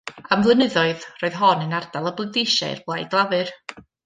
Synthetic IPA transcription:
amvlˠənɨðɔɨðroːɨðɦɔnənardalˠəblˠɨdeʃa̰ɨ̰rblˠajɡlˠavɨr

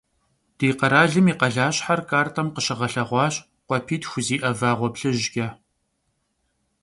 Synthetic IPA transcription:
d̥iːqɐɾaːɮɨmiːqɐɮaːɕħarkʰʼaːrtʰɐmqəɕɐʁɐɬɐʁʷɑːɕ | qʷɔpʰiːtxʷʊziːʔɐvaːʁʷɔpɬɨʑɡʲɐ

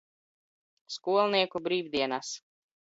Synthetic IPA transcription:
skuɔlˠniɛkubɾiːvd̪ʲiɛnas

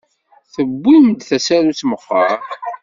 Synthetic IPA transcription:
θəbːimd̪θæsæɾut͡sːməfəɾ

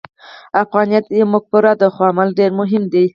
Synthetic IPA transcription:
afɣɑnijat̪jemʊɡ̚pʊɾad̪əxwɑamalɖeɾmʊɦɪmd̪i

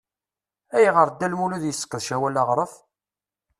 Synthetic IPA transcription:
æjʁəɾd̪ːælmuluðjəsːə̥kːəðˤʃæwælɑʁɾˤəf

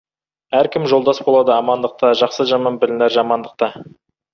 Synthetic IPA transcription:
æɾkʲɪmʒo̞lˠd̪ɑsbo̞lˠɑd̪əɑmɑnd̪əq̚t̪ɑʒɑqsəʒɑmɑnbɪlɪnæɾʒɑmɑnd̪əq̚t̪ɑ

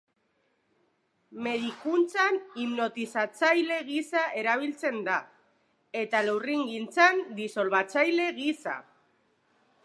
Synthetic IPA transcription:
me̞ðikunt͡sanimno̞t̪isat͡sajle̞ɣisaʔe̞ɾaβ̞ilt͡se̞nd̪a | e̞t̪alewriŋɡint͡sand̪iso̞lβat͡sajle̞ɣisa̰

